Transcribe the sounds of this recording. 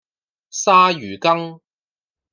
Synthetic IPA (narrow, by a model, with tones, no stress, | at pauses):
saː˥jyː˨˩kɐ˥ŋ